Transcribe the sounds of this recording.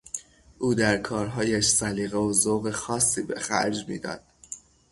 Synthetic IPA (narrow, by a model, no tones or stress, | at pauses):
ʔuːd̪æɾkʰɒːɾɦɒːjæʃsæliːɣeozoɣexɒːsːiːbe̞̰xæ̰ɾd͡ʒmḭːd̪ɒ̰ːd̪̥̚